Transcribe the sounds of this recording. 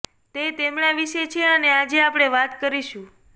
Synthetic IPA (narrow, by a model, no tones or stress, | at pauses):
t̪et̪emɳaʋiʃet͡ʃʰeənead͡ʒeapɽ̃eʋat̪kəɾiʃũ